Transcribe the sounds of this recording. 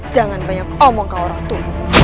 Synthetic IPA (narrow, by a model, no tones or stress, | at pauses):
d̥d͡ʒ̥a̤ŋanbaɲakɔmɔŋkaoɾaŋt̪umu